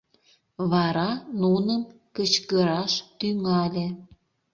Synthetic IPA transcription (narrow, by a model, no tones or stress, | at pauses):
βɑɾɑnunəm | kət͡ɕkəɾɑʃt̪yŋɑlʲe